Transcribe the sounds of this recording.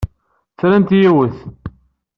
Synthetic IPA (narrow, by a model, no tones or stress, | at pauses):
θɾænt̪jiwəθ